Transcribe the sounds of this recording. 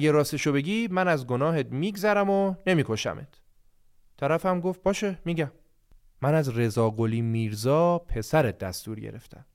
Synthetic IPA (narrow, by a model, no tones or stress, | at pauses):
ɡeɾɒːst̪eʃobe̞ɟiːmænæzɡo̞nɒːɦet̪miːɡzæɾæmone̞miːkʰo̞ʃæ̰met̪ʰ | t̪ʰːæɾæfæmɡo̞ft̪̚b̥ɒːʃemiːɟæmː | ænæzre̞zɒːɡo̞liːmiːɾzɒːpʰe̞sæɾet̪̚d̪æst̪uːɾɟḛɾe̞̰ft̪ʰæm